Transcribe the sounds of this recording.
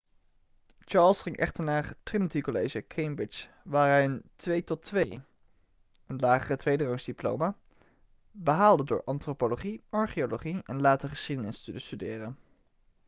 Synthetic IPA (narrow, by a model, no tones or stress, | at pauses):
t͡ʃɑːɹlˠsχɪŋʔɛ̰χtəɹnaːɹtrɪnətikolejʒəkʰejmbɹɪt͡ʃ | ʋaːɹɦɛjəntʋejtɔtʋej | ənlaːχərətʋejdərowmsdiplo̰wma | bəɦaːlˠdədʊ̰ːɹʔɑntropoloχiʔɑɹχioloχiɛnlaːtəχəsχidənɪstydəstydɪːrən